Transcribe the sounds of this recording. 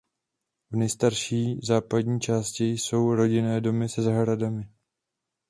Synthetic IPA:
vnɛjst̪aɾʃiːzaːpadɲiːt͡ʃaːscɪjso̞wɾo̞ɟɪnɛːdo̞mɪsɛzaɦɾadamɪ

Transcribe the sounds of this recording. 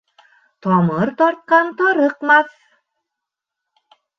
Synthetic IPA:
t̪ɒmɤɾt̪ɒɾt̪̚qɑnt̪ɒɾɤqmɑθ

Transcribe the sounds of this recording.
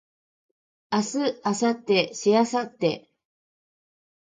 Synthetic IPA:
asɨasat̪ːeɕijasat̪ːe

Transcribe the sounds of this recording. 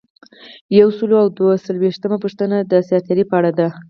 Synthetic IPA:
jawsəloawd̪wasəlweʂt̪əmapuʂt̪ənad̪əsjɑt̪aɾipəaɽad̪a

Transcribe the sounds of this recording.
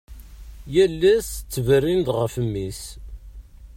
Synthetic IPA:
jælːæst͡sːəvərːind̪ʁəfəmːis

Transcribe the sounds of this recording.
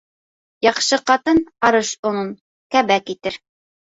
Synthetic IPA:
jɑqʃɤqɑt̪ɤnɑɾɤʃŏnɤn | kæbækit̪ɘɾ

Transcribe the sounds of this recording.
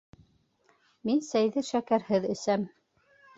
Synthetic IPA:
minsæjðɘʃækæɾhɘðɘ̆sæm

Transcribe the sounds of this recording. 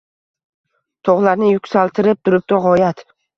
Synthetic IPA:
t̪ʰoʁlˠaɾnɪjʊkʲsalˠt̪ʰɪɾɪp̚t̪ʰʊɾɪp̚d̪ɒʁɒjat̪

